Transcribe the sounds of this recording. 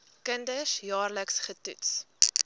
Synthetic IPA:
kəndəsjɑːrləksχətṵts

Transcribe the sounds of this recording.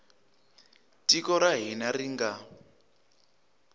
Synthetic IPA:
tikɔɾaɦinariŋɡa

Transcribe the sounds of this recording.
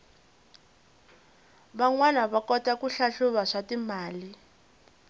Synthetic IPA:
βaŋwanaβakɔtakuɬaɬuβaʂatimaːli

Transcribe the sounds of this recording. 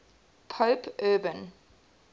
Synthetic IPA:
pʰoːpʰɜːbə̃n

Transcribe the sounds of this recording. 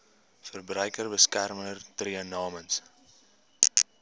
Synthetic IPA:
fərbrœjkərbəskærmənərtriənɑːməns

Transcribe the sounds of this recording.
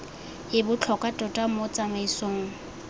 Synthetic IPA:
ɪbʊt͡ɬʰɔkʼatʼɔtʼamot͡sʼamaisoːŋ̩

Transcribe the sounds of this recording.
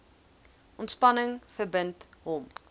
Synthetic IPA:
ʔɔntspɐnəŋfərbəntɦɔm

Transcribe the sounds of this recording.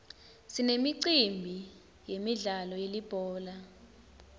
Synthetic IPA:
sinemiǀimbʱi | jemiɮalɔjelib̥ʱɔːla

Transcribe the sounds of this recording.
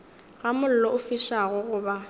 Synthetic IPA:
ɣamʊl̩lɔʊfiʃaɣʊɣʊːba

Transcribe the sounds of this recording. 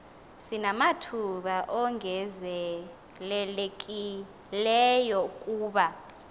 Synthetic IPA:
sinamatʰuɓaʔɔŋʱɛzɛ | lɛlekʼi | lɛjɔkʼuːɓa

